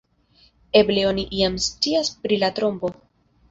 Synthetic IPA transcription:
e̞ble̞o̞niʔiamst͡siaspɾilat̪ɾo̞mbo̞

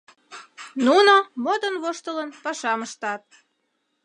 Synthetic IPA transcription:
nunomod̪ənβoʃt̪ələnpɑʃɑməʃt̪ɑt̪̚

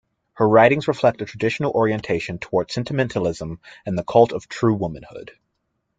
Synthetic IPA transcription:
hə˞ɹaɪɾɪ̃ŋzɹəflɛk̚tɨtʰɹ̥ədɪʃn̩l̩ˠʔɔɹiɨ̃ntʰeɪʃɨ̃ntʰəwɔɹd̥sɛ̃ntʰɨmɛ̃ntʰəl̩ˠɪzə̃mɨ̃nðəkʰɔlˠtʰʌv̥tʰɹ̥ʉwʊmɨ̃nhʊ̰d̥

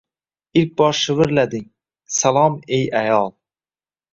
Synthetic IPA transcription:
ilk̚ʲbɒɾʃɪvɪɾlæd̪ɪŋ | salˠɑmejæjɑlˠ

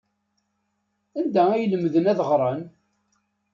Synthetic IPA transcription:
ænd̪ææjələmːðənæðʁɾˤən

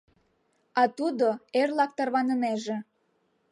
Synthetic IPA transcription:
ɑt̪ud̪oerlɑk̚t̪ɑrβɑnə̆meʒĕ

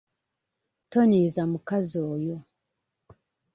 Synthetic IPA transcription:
tɔnizamukaziɔjɔ

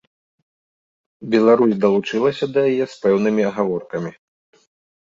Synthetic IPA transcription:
bʲɛlˠaɾusʲd̪ɐlˠut͡ʂɨlˠɐsʲɐd̪ɐjajɛspɛwnɨmʲiɐɣavɔrkɐmʲi

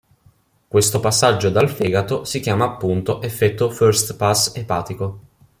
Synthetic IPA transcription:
kwest̪opasːad͡ʒːod̪alfɛːɡat̪osikjaːmaːpːunt̪oʔefːɛt̪ːoførst̪pasːepaːt̪iko

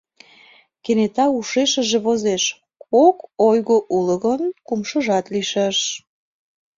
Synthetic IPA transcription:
kenet̪ɑuʃeʃə̆ʒeβozeʃ | kokojɣoʔuləɣənkumʃə̆ʒɑt̪liʃeʃ

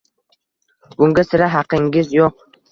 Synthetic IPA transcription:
b̥ʊŋɡʲasɪɾaɦɑqʰɪŋɡʲɪzjoq̚

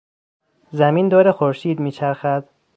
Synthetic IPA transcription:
zæmiːnd̪ɒːɾexoɾʃiːd̪miːt͡ʃʰæɾxæd̪̥

